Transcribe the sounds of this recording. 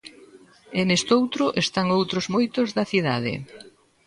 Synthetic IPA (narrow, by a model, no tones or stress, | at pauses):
enest̪owt̪ɾʊʔest̪aŋowt̪ɾozmojt̪ozðɐθiða̰ð̞ɪ̰